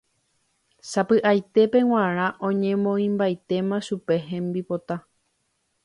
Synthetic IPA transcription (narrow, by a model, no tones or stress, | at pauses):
sapɨʔajt̪e̞pe̞w̃ãɾ̃ãʔõ̞ɲẽ̞mõĩmbajt̪e̞mãʃupe̞ɦẽ̞mbipo̞t̪a